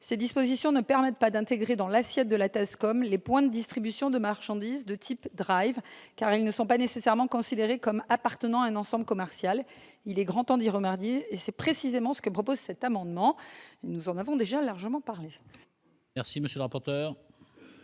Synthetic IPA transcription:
sed̪ispozisjɔ̃nəpɛʁmɛt̪̚pad̪ɛ̃t̪eɡʁed̪ɑ̃lasjɛt̪̚d̪əlat̪ɛskɔmlepwɛ̃d̪əd̪ist̪χibysjɔ̃d̪əmaʁʃɑ̃d̪izd̪ət̪ʰipd̪ʁajvkaʁilnəsɔ̃panesesɛʁmɑ̃kɔ̃sid̪eʁekɔmapaʁt̪ənɑ̃aɛ̃nɑ̃sɑ̃bləkɔmɛʁsjal | ilɛɡʁɑ̃t̪ɑ̃d̪iʁəmaʁd̪jeːsɛpχesizemɑ̃sə̥kəpχɔpozsɛt̪amɑ̃d̪mɑ̃enuzɑ̃navɔ̃d̪eʒalaʁʒəmɑ̃paʁle | ɛʁsiməsjøləʁapɔʁt̪œːʁ

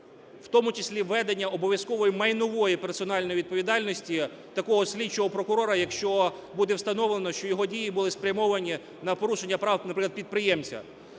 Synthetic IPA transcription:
w̥t̪ɔmʊt͡ʃesʲlʲiʋːɛd̪enʲːɐɔbɔʋʲjɐskɔʋɔjimɐjnʊʋɔjipersɔn̪ɑlʲnɔjiʋʲid̪̚pɔʋʲid̪ɑlʲnɔsʲtʲi | t̪ɐkɔɦɔsʲlʲit͡ʃɔɦɔpɾɔkʊɾɔɾɐjɐkʃt͡ʃɔbud̪ɛwst̪ɐnɔʋlˠenɔʃt͡ʃɔjɔɦɔdʲijibʊlˠɪspɾʲɐmɔʋɐnʲi | nɐpɔɾuʃenʲːɐpɾɑwnɐpɾɪklˠd̪pʲid̪̚pɾɪjɛmt͡sʲɐ̰

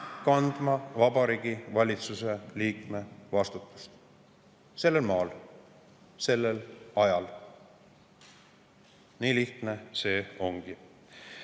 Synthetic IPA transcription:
kɑnd̪̥mɑvɑbɑɾiːɡivɑlʲit̪suse̞liːkme̞vɑst̪ut̪ːˑu̥st̪ | se̞lːe̞lmɑːl | se̞lːelɑjɑl | niːliht̪ne̞se̞ːo̞ŋɡ̥i

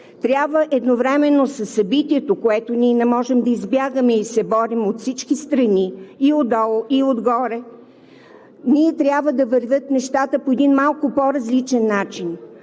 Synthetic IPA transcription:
t̪ɾʲjabvəʔɛd̪novɾɛmɛnːosəsːɐbit̪iɛt̪okoɛt̪oniɛnɛmɔʒɛmd̪ɐizbʲjaɡəmɛisɛbɔɾimot̪fsit͡ʃkist̪ɾɐniːod̪ɔlˠoʔiod̪ɡɔɾɛ | niɛt̪ɾʲjabvəd̪ɐvəɾvʲət̪nɛʃt̪at̪əpoɛd̪inmalˠkʊpoɾɐzlit͡ʃɛnːat͡ʃin

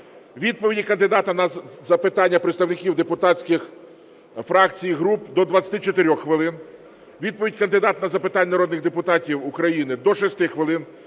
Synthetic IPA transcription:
ʋʲid̪̚pɔʋʲidʲikɐnd̪ɪd̪ɑt̪ɐnɐzɐpɪt̪ɑnʲːɐpɾet̪st̪ɐwnɪkʲiwd̪epʊt̪ɑt͡sʲkʲɪx | fɾɑkt͡sʲijɦɾupd̪ɔd̪ʋɐt͡sʲɐt̪ɪt͡ʃɔt̪eɾʲɔxxʋɪlˠɪn | ʋʲid̪̚pɔʋʲidʲkɐnd̪ɪd̪ɑt̪nɐzɐpɪt̪ɑnʲːɐnɐɾɔd̪nɪɣd̪epʊt̪ɑtʲiwʊkɾɐjinɪd̪ɔʃɔsʲt̪ɪxʋɪlˠɪn

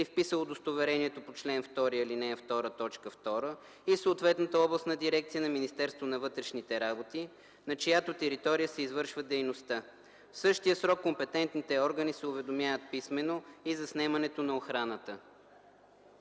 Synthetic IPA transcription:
ifpisəlˠod̪ost̪ovɛɾɛniɛt̪opot͡ʃlɛnft̪ɔɾiilinɛft̪ɔɾət̪ɔt͡ʃkəft̪ɔɾə | isoːt̪vɛt̪nət̪əɔblˠəst̪nɐd̪iɾɛk̚t̪ijənɐminist̪ɛɾst̪vonɐvɤt̪ɾɛʃnit̪ɛɾabot̪i | nɐt͡ʃɐjat̪ot̪ɛɾit̪ɔɾijəsɛizvɤɾʃvəd̪ɛjnost̪a | fsɤʃt̪ijəsɾɔkːompɛt̪ɛnt̪nit̪ɛɔɾɡənisɛʊvɛd̪omʲjavət̪̚pismɛnoizɐsnɛmɐnɛt̪onɐoxɾanət̪ə

